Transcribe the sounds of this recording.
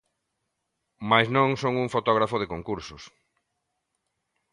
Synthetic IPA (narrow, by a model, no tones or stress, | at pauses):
majsnõŋsoŋuŋfot̪ɔɣ̞ɾafʊð̞ɪkoŋkuɾsʊs